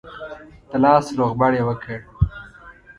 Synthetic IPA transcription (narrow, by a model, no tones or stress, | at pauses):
t̪əlɑːsloɣbaɽewəkʰeɽ